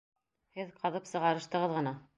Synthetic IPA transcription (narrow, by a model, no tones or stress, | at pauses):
hɘðqɑðɤpsɤ̆ʁɑɾɤ̆ʃt̪ɤ̆ʁɤðʁɤ̆nɑ